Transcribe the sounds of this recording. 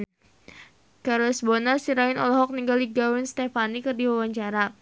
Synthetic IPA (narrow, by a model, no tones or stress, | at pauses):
karlɛsbɔnarsiɾaɪnɔlɔɦɔk̚niŋɡaldiɡawɛnst̪ɛfanikɨrdiwawaɲt͡ʃaɾa